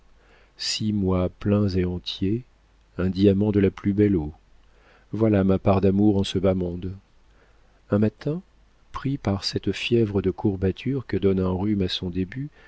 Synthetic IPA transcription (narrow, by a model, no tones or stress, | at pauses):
simwaplɛ̃zeɑ̃t̪je | ɛ̃d̪iamɑ̃d̪əlaplybɛlo | vwalamapaʁd̪amuʁɑ̃səbamɔ̃d̪ | ɛ̃mat̪ɛ̃ | pχipaʁsɛt̪fjɛvʁəd̪əkʰuʁbat̪ʰyʁkəd̪ɔnɛ̃ʁymasɔ̃d̪eby